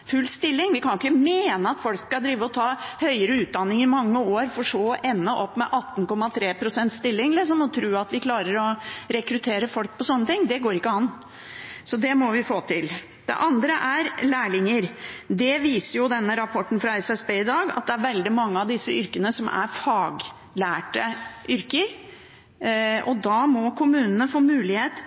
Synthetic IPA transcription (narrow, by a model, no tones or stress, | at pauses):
fʉlːst̪ɪlːɪŋʋɪkʰɑnʊkːəmeːnəɑt̪fɔlkskɑld̪ɾiːʋəɔt̪ʰɑːhœʏəɾəʉːt̪̚d̪ɑnːɪŋɪmɑŋːəoːɾfɔʂoːʔɛnːəʔɔpːmɛʔɑt̪ːn̩kɔmːɑt̪ʰɾeːpʰɾʊsɛnt̪st̪ɪlːɪŋlɪs̬ɔmɔt̪ʰɾʉːɑt̪ʋɪkʰlɑːɾəɾɔɾɛkɾʉt̪ʰeːɾəfɔlk̚pɔsɔnːət̪ʰɪŋːd̪ɛɡoːɾɪkːəɑn | sɔd̪ɛmɔʋɪfoːt̪ʰɪl | d̪̥ɛ̰ʔɑnd̪ɾəʔæɾlæːɭɪŋːəɾd̪ɛʋiːsəɾjʊd̪ɛnːəɾɑpʰɔʈːn̩fɾɑɛsɛsbeːɪd̪ɑːɡɑ̰t̪̚d̪ɛæɾʋɛld̪ɪmɑŋːəɑʋd̪ɪsːəʏɾkənəsɔmʔæ̰ɾfɑːɡ | læːʈəʔʏɾkəɾ | ʔɔd̪ɑːmɔkʰʊmʉːnənəfoːmʉːlɪheːt̪